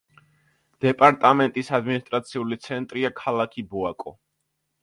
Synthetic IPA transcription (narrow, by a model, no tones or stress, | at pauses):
d̪̥ɛpʼaɾt̪ʼamɛnt̪ʼisad̪minist̪ʼɾat̪sʰiulit̪sʰɛnt̪ʼɾiakʰalˠakʰibɔakʼɔ̰